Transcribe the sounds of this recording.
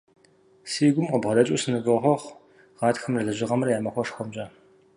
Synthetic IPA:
siːɡʷʊmqəbʁɐdɐt͡ʃʼusɨnɨvʷʼɨχʷɔʁʷ | ʁɑːtxɐmrɐɮɨʑɪʁɐmrɐjaːmɐxʷɔʂxʷɔmt͡ʃʼɐ

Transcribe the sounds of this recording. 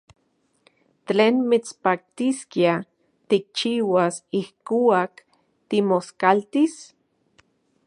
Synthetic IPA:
teːnmit͡spak̚t̪iskia | t̪ik̚t͡ʃiːwasihkuak | t̪imoskalt̪is

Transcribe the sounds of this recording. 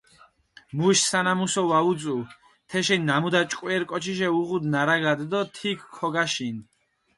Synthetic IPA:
muʃsanamusɔwaut͡sʼu | t̪ʰɛʃɛnːamud̪at͡ʃʼkʼwiɛɾkʼɔt͡ʃʰiʃ̬ɛuʁud̪naɾaɡad̪d̪ɔt̪ʰikʰːɔɡaʃin

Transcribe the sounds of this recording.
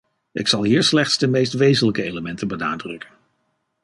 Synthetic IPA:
ʔɪksɑlˠɦiːɹslɛχtsdəmejstʋejzənləkəejləmɛntəbəna̰ːdrɵkən

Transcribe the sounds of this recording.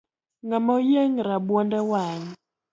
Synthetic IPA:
ŋamojeŋɾaɓwɔndɛwaːŋ

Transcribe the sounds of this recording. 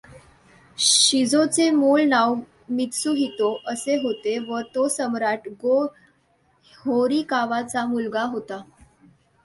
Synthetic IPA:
ɕid͡zot͡semuɭnaw | mit̪suɦit̪oʔəseɦot̪eʋət̪osəmɾaʈɡo | hoɾikaʋat͡samulɡaɦot̪a

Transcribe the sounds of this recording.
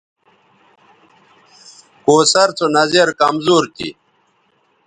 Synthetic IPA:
koːsɐɾt͡sonɐzeɾkɐmzuːɾt̪ḭ

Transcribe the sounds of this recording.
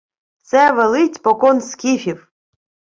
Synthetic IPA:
t̪sɛʋɛlˠɪt͡sʲpɔkɔnskʲifʲiw

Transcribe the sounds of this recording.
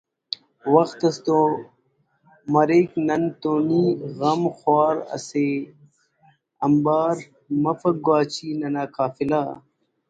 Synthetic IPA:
wɐxt̪ɐst̪oː | mɐɾeːknɐnt̪oːniːɣɐmxwaːɾɐ̰seː | ɐmbaːɾ | mɐfɐɡwaːt͡ɕiːnɐnaːkaːfilaː

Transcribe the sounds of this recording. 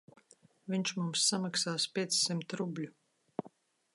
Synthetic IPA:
vʲiɲt͡ʃmumsːamaksaːspʲiɛt̪sːimt̪ɾublʲu

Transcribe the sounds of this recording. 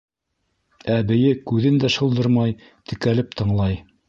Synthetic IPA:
æbɘ̆jɘkʉðɘnd̪æʃɤ̆lˠd̪ɤɾmɑj | t̪ɘ̆kælɘp̚t̪ɤ̆ɴlˠɑj

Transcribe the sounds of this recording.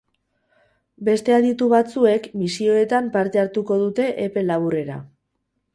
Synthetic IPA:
be̞st̪e̞aðit̪uβat͡sue̞kmisio̞e̞t̪ampaɾt̪e̞aɾt̪uko̞ð̞ut̪e̞ʔepe̞laβure̞ɾa̰

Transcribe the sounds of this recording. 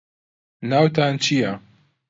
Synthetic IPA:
naːwt̪aːnt͡ʃʰija

